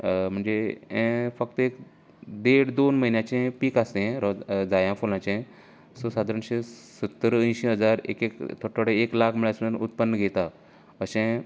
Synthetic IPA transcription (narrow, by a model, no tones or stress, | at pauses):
m̤əɳd͡zeẽfək̚t̪əek | d̪eɽd̪onməɦinjãt͡ɕẽpiːkasẽɾɔd͡zajãfolãt͡ɕẽ | sosad̪ʱaɾɳɕesət̪ːəɾə̃j̃ɕiɦəd͡zaɾḛkekt̪ʰoʈʰoɽeeklakʰmiɭasnut̪̚pənːəɡʱet̪a | əsẽ